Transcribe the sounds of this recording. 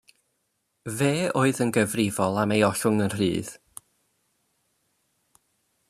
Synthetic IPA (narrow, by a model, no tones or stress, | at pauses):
veːoːɨðənɡəvrɪvɔlˠamejɔɬʊŋənr̥ḭːð